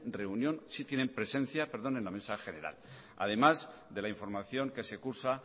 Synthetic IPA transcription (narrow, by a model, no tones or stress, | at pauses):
re̞unjõ̞nsit̪je̞ne̞mpɾe̞sẽ̞n̟θjape̞ɾð̞o̞ne̞nlame̞saxe̞ne̞ɾa̰l | a̰ð̞e̞mazðe̞laiɱfo̞ɾmaθjo̞ŋke̞se̞kuɾsa